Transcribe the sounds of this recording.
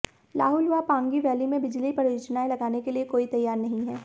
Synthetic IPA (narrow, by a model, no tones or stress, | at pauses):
la̰ːɦʊlʋapãːŋɡiʋɛːlimẽbɪd͡ʒlipɐɾjoːd͡ʒnaẽlɐɡaːnekeliekoːit̪ɐjːaːɾnɐɦĩɦɛː